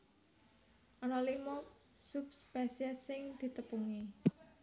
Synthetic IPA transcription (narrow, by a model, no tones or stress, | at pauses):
ʔɔnɔlimɔ | supspɛsiəsɪŋd̪̥i̤t̪əpuŋi